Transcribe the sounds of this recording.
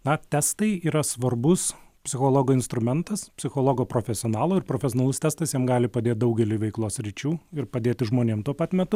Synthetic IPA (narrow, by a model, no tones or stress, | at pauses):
nɐt̪ʲɛst̪ɐɪiːɾɐsʋɐrbʊspʲsʲɪxoːlˠoːɡoːɪnst̪ɾʊmʲɛnt̪ɐspʲsʲɪxoːlˠoːɡoːpɾoːfʲɛsʲɪoːnɑːlˠoːɪɾpɾoːfʲɛsʲonɐlˠʊst̪ʲɛst̪ɐsjɛmɡɑːlʲɪpɐd̪ʲeːt̪̚d̪ʊɡʲɛlʲɪːʋʲɛɪklˠoːsɾʲiːt͡ʃʲuːɪɾpɐd̪ʲeːt̪ʲɪʒmoːnʲeːmt̪uɔpɐt̪mʲɛt̪ʊ